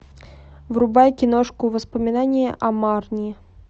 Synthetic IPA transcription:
vɾʊbajkʲɪnoʂkʊvəspəmʲɪnanʲɪjə̰ʔɐmarnʲɪ

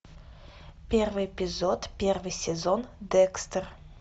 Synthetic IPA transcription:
pʲervɨjepʲizot̪pʲervɨjsʲezond̪ɛkst̪ər

